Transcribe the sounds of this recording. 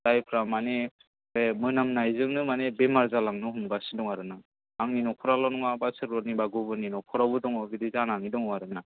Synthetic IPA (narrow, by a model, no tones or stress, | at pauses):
d̥ajpʰɾamane | bemɯnamnajzɯŋnɯmanebemaɾzalaŋnɯɦumbasidɔŋaɾɯna | aŋninɔkʰɔɾalɔnɔŋabasɯɾɔnibaɡubɯninɔkʰɔɾabudɔŋɔbidizananidɔŋɔaɾɯna